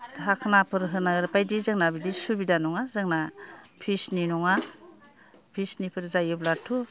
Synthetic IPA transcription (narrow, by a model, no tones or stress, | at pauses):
takʰnapʰɯɾɦɯnaɡɯɾpajdizɯŋnabidisubidanɔŋazɯŋnapʰisninɔŋa | pʰisnipʰɯɾzajɯblatʰu